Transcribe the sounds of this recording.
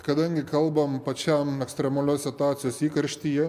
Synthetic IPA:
kɐd̪ɐŋʲɡʲɪkɐlˠbɐmpɐt͡ʃʲɛmɛksʲt̪ʲɾʲɛmɐlʲoːssʲɪt̪ʊaːt̪sʲɪjoːsiːkɐɾʲʃʲt̪ʲiːjɛ

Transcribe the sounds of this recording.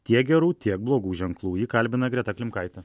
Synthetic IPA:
t̪ʲiɛk̚ɡʲɛɾuːt̪ʲiɛk̚blˠoːɡuːʒʲɛŋklˠuːjiːkɐlʲbʲɪnɐɡɾʲɛt̪ɐklʲɪmkɐɪt̪ʲɛ

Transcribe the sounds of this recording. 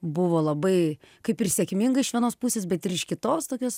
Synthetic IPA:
bʊʋoːlˠɐbɐɪkɐɪpɪrsʲɛkʲmʲɪŋɡɐɪʃʋʲiɛnoːspusʲeːs̬bʲɛt̪ɪɾɪʃkʲɪt̪oːst̪oːkʲoːs

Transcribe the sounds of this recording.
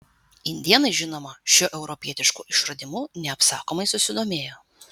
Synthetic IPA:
ɪnʲd̪ʲiɛnɐɪʒʲɪnoːmɐʃʲʊʔɛʊɾɔpʲiɛt̪ʲɪʃkṵːʔɪʃɾɐd̪ʲɪmʊːnʲɛɐpsɑːkoːmɐɪsʊsʲɪd̪oːmʲeːjoː

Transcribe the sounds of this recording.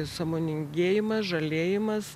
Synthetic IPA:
sɑmoːnʲɪŋʲɡʲeːjɪmɐsʒɐlʲeːjɪmɐs

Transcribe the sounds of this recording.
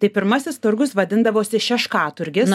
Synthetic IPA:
t̪ɐɪpʲɪɾmɐsʲɪst̪ʊɾɡʊsʋɐd̪ʲɪnd̪ɐʋoːsʲɪʃʲɛʃkɑːt̪ʊɾʲɡʲɪ

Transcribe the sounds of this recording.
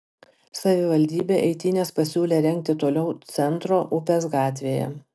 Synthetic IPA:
sɐʋʲɪʋɐlʲd̪ʲiːbʲeːʔɛɪt̪ʲiːnʲeːspɐsʲuːlʲeːɾʲɛŋʲk̚t̪ʲɪt̪oːlʲɛʊt̪sʲɛnt̪ɾoːʔʊpʲes̬ɡɑːt̪ʲʋʲeːjɛ̰

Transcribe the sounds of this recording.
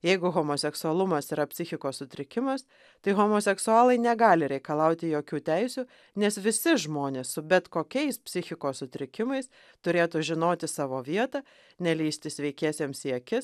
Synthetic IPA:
jɛɪɡʊɣoːmoːsʲɛksʊɐlˠʊmɐsiɾɐpʲsʲɪxʲɪkoːssʊt̪ʲɾʲɪkʲɪmɐs | t̪ɐɪɣoːmoːsʲɛksʊɑːlˠɐɪnʲɛɡɑːlʲɪɾʲɛɪkɐlˠɑʊt̪ʲɪjoːkʲuːt̪ʲɛɪsʲuː | nʲɛsʋʲɪsʲɪʒmoːnʲeːssʊbʲɛt̪koːkʲɛɪspʲsʲɪxʲɪkoːsːʊt̪ʲɾʲɪkʲɪmɐɪs | t̪ʊɾʲeːt̪uːʒʲɪnoːt̪ʲɪsɑːʋoːʋʲiɛt̪ɑ | nʲɛlʲiːsʲt̪ʲɪsʲʋʲɛɪkʲæːsʲeːmsiɛkʲɪs

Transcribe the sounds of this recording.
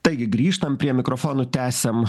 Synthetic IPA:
t̪ɐɪɡʲɪɡɾʲiːʃt̪ɐmpʲɾʲiɛmʲɪkɾɔfoːnoːt̪ʲæːsʲɛm

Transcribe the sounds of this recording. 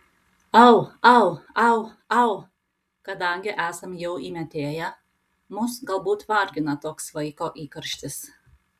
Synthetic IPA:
ɐʊɐʊɐʊ | ɐʊ | kɐd̪ɐŋʲɡʲɪʔæːsɐmjɛʊiːmʲɛt̪ʲeːjæ | mʊsɡɐlˠbuːt̪ʋɐˑɾʲɡʲɪnɐt̪oːksʋɐɪkoːʔiːkɐɾʲʃʲt̪ʲɪs

